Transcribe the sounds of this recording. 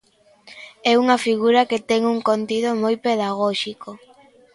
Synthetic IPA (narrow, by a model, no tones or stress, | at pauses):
ɛuŋɐfiɣuɾɐket̪ɛŋuŋkont̪iðomojpeðaɣɔʃiko